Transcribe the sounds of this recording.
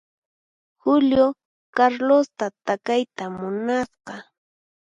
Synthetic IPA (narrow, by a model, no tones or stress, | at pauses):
hʊljo | kaɾlost̪at̪akajt̪amʊnasqɑ